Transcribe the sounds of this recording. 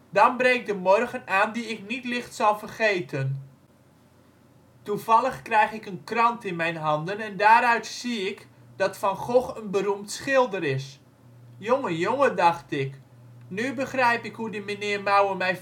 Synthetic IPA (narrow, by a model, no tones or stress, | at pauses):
dɔnbrɛŋk̚dəmɔrɣənaːndiɪknitlɪxtsɔlˠfərχeːtʰən | tuv̥ɑlˠəxkrɛjxɪkənkrɑntɪnmɛjnɦɑndənɛndaːɾœɥtsiɪk | d̥ɑtfɑnχoxənbəɾumtsxɪlˠdərɪs | joŋəjoŋədɑxtɪk | nybəxrɛjpɪkhudəmənɪərmawəmɛj